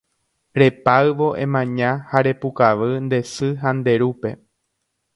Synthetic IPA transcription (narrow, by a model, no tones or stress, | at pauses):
ɾe̞paɨʋo̞ʔẽ̞̰mãɲãhaɾe̞pukaʋɨnd̪e̞sɨɦand̪e̞ɾupe̞